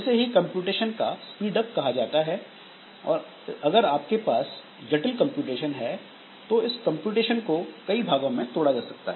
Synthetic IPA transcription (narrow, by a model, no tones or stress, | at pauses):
ɛːseɦikɐ̃mpjuːʈeːʃənkaspiːɖəp̚kɐɦad͡ʒaːt̪aɦɛ | ɔ̰ːɾ | ɐɡəɾaːp̚kepaːs | d͡ʒɐʈəlkɐ̃mpjuːʈeːʃənɦɛ | t̪oɪskɐ̃mpjuːʈeːʃənkokɐibʱaːɡõmẽt̪oːɽad͡ʒaːsɐk̚t̪a̰ɦɛː